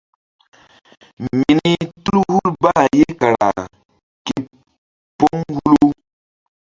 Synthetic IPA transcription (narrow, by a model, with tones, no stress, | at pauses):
mmi˨ni˦tu˦lu˦hu˦lba˦˨je˦ka˨ɾa̰˨ | ke˨ | pːo˦ŋhu˦lu˦